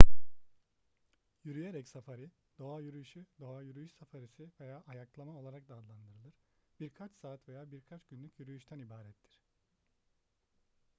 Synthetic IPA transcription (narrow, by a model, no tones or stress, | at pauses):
jyɾyjeɾɛcsafaɾi | d̪̥o̞ajyɾyjyʃyd̪o̞ajyɾyjyʃsafaɾisive̞jaːʔajaklˠamao̞lˠaɾak̚d̪aːd̪lˠand̪ɯɾɯlˠɯɾ̥b̥iɾkʰat͡ʃsaːt̪ve̞jaːbiɾkʰat͡ʃɟ̥ynlʲycjyɾyjyʃt̪ʰænibaːɾɛt̪ʰːiɾ̥